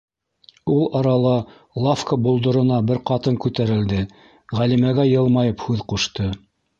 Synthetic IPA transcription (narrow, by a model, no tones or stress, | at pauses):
ulˠɑɾɑlˠɑ | lˠafkəbulˠd̪ŏɾŏnɑbɘɾqɑt̪ɤŋkʉt̪æɾɘ̆ld̪ɘ | ʁælimæɡæjɤ̆lˠmɑjɤphʉðquʃt̪ɤ